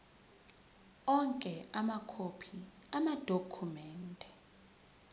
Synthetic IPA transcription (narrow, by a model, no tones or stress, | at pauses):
ɔŋkʼɛamakʰopʰiamad̥ʱokʰumɛːndʱʼɛ